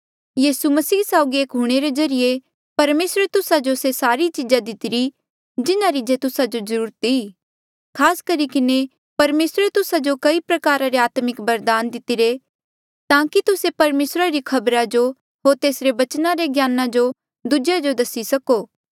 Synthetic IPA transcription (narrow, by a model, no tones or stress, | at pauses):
jiːsumɐsiːsaːʊɡieːkɦʊɽ̃eɾezɐɾije | pɐɾmeːsɾet̪ʊsad͡ʒosesaːɾit͡ʃid͡ʒad̪ɪt̪ɪɾi | d͡ʒɪnaɾid͡ʒet̪ʊsad͡ʒozɐɾuːɾət̪i | kʰaːskɐɾikɪne | pɐɾmeːsɾet̪ʊsad͡ʒokɐipɾɐkaːɾaɾeaːt̪mɪkbɐɾd̪aːnd̪ɪt̪ɪɾe | t̪ãːkit̪ʊsepɐɾmeːsɾaɾikʰɐbɾad͡ʒo | ɦoːɾt̪eːsɾeʋɐt͡ʃnaɾeɡjaːnad͡ʒo | d̪ʊd͡ʒad͡ʒod̪ɐsisɐkoː